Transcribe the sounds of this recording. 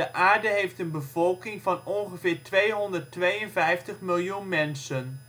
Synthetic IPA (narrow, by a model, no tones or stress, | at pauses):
əʔaːɹdəɦejftənbəvɔlˠkɪŋvɑnɔnχəvɪːɹtʋejɦɔndərtʋejənvɛjftəχmɪlˠjunmɛnsən